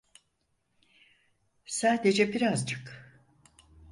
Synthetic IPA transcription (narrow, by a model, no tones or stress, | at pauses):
saːd̪e̞d͡ʒɛbiɾazd͡ʒʰɯ̥k